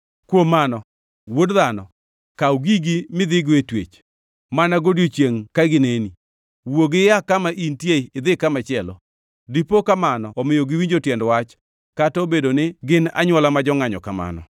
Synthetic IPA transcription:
kwomanɔ | wodðanɔ̰ | kawɡiɡimɪðɪɡetwḛt͡ʃ | manaɡodjot͡ʃjeŋkaɡɪneni | woɡɪjakamaʔintjeiɪd̪ɪkamat͡ʃɪɛlɔ̰ | dipokamanɔɔmɪjoɡɪwiɲd͡ʒotjɛndwat͡ʃ | katobedonɪɡɪna̰ɲwɔlamad͡ʒɔŋaɲɔkama̰nɔ̰

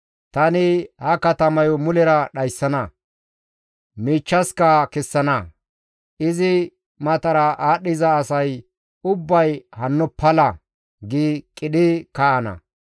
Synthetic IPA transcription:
t̪ɐnɪhɐkɐt̪ɐmɐjɔmʊlɛɾɐɗɐjsːɐnɐ | miːt͡ʃːɐskɐkɛsːɐnɐ | ʔɪzɪ | mɐt̪ɐɾɐʔaːɗɪzɐːsɐj | ʊbːɐjhɐnːɔpʰːɐlɐ | ɡɪkʼɪɗɪkɐʔɐnɐ̰

